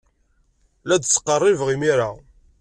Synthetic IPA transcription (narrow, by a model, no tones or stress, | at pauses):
læd̪t͡sːə̥qːərˤːivʁimiɾa